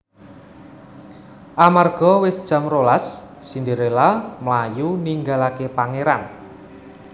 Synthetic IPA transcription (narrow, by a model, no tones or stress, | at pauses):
ʔamarɡ̥ɔ̤wɪsd̥ʒ̥a̤mrolasːindeɾelamlajuniŋɡalakepaŋeɾan